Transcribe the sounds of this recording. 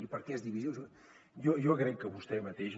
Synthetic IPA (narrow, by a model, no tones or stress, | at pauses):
ipəɾkɛɛzðiβiziow | jɔjɔɣɾɛkːəβust̪ɛmət̪eʃ